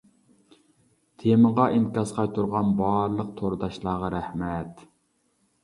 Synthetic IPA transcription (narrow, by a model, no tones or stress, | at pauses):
t̪ʰeməʁɑʔinkʲɑsqʰɑjt̪ʰuɾʁɑnbɑɾlˠəq̚t̪ʰoɾd̪ɑʃlˠɑːʁɑɾæhmɛt̪